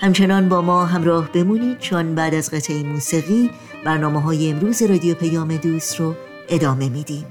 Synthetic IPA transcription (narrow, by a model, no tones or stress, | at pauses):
hæmt͡ʃʰe̞nɒːnbɒːmɒːɦæmɾɒːhb̥e̞muːniːd̪̥̚t͡ʃʰonbæːd̪æzɢet̪ʰeemuːsiɣiː | b̥æɾnɒːmeɦɒːjeemɾuːze̞ɾɒːd̪ijopʰejɒːme̞d̪uːst̪ɾo | e̞d̪ɒːme̞miːd̪iːm